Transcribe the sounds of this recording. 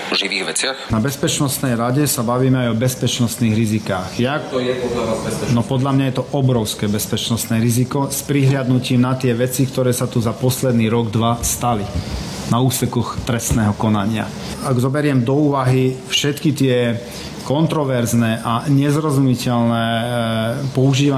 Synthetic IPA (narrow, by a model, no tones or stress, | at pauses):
ɔʒiʋiːɣʋɛt͡sɪaxnabɛspɛt͡ʃnɔst̪nɛjɾaɟɛsabaʋiːmɛajɔbɛspɛt͡ʃnɔst̪niːɣɾizikaːxjajɛpɔd̪laazbɛsnɔpɔd̪ʎamɲajɛt̪ɔʔɔbɾɔʊskɛːbɛspɛt͡ʃnɔst̪nɛːɾizikɔspɾiɦlɪad̪nuciːmnat̪ɪɛʋɛt͡sikt̪ɔɾɛːsat̪uzapɔslɛd̪niːɾɔɡd̪ʋast̪ali | nauːsɛkɔxt̪ɾɛst̪nɛːɦɔkɔnaɲɪa̰ | aɡzɔbɛɾɪɛmd̪ɔuːʋaɦifʃɛt̪kit̪ɪɛ | kɔnt̪ɾɔʋɛɾznɛːʔaɲɛzɾɔzumicɛlnɛː | pɔuʒiːʋa